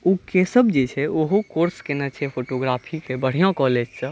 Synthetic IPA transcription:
ukesəbd͡ʒet͡ʃʰɛoɦukoɾskenɛt͡ʃʰɛpʰoʈoɡɾapʰikebəɽ̤ijãkɔled͡ʒsə̃

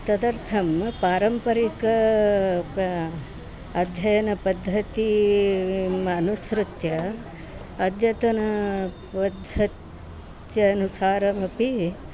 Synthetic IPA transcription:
t̪ɐd̪ɐɾt̪ʰɐmpaːɾɐmpɐɾikɐ | ɐd̪ʱjɐjɐnɐpɐd̪ʱːɐt̪i | mɐnusɾut̪jɐ | ɐd̪ʱjɐt̪ɐnɐ | pɐd̪ʱɐt̪ | jɐːnusaːɾɐmɐpi

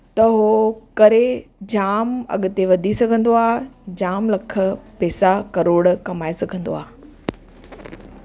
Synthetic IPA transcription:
t̪ɐɦokɐɾed͡ʑaːmɐ̰ɠʊ̆t̪eʋɐd̪ʱisɐɡʱə̃nd̪oaːd͡ʑaːmlɐkʰə̆pɛːsakɐɾoːɽkɐmaːesɐɡʱə̃nd̪o̰aː

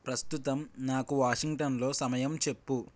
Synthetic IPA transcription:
pɾɐst̪ut̪ɐmnaːkuʋaːʂiŋʈɐnlo̞ːsɐmɐjɐmt͡ʃe̞pːu

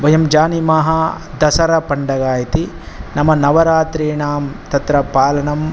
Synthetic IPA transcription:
ʋɐjɐmd͡ʒaːnimaːɦɐ | d̪ɐsɐɾɐpɐɳɖɐɡaːjɐt̪i | nɐmɐnɐʋɐɾaːt̪ɾeːɳaːmt̪ɐt̪ɾɐpaːlɐnɐm

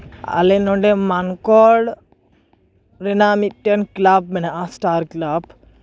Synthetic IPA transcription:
a̰lenuɳɖemɐnkoːɖ | ɾenaːmiʈːenklab̚minaasʈaːɾklab

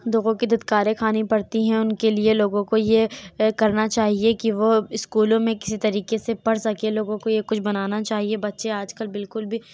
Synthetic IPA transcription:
d̪oːɣõkid̪ɪd̪kaːɾẽkʰaːnipɐɽt̪iɦɛ̃ʊnkelieloːɡõkojekɐɾnat͡ʃaːɦiekiʋoɪskuːlõmẽkɪ̥sit̪ɐɾiːkesepɐɽsɐkẽloːɡõkojekʊt͡ʃʰbɐnaːnat͡ʃaːɦiebɐtːʃeaːd͡ʒkɐlbɪlkʊlbʱi

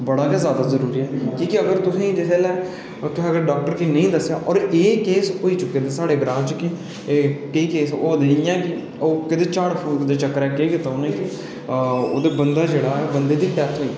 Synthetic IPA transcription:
bəɽaːkaːzjaːd̪aːzəɾuːɾiːɛːkiːkɪəɡəɾt̪ʊsĩːd͡ʒesʰeːlɛː | t̪ʊsĩːəɡəɾɖaːk̚ʈəɾkiːnəĩːd̪əsːjaːʔɔːɾeːkeːsɦoːiːt͡ʃʊkːeːd̪eːsaːɽeːɡɾaːt͡ʃkiː | keiːkeːsoːd̪eijãːkɪ | oːkɪt̪eːt͡ʃaːɽpʰuːlkd̪eːt͡ʃəkːəɾɛːkeːkɪt̪aːoːnẽːkɪ | o̰ːd̪eːbənd̪aːd͡ʒeːɽaːɛːbənd̪eːd̪iːʈɛːt̪ɦoːiː

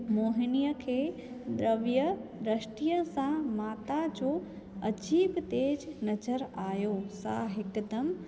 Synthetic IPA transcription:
moːɦɪnijəkʰeː | d̪ɾəʋjəɾəʃʈijəsãmaːt̪ad͡ʑoː | ɐd͡ʑiːbt̪eːd͡ʑnɐzəɾaːjoːsa̰ɦɪkd̪əm

